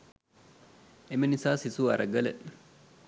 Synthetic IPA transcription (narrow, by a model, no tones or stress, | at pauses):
ʔɛmɪnɪsaːsɪsuːɐɾɐɡɐlɐʔ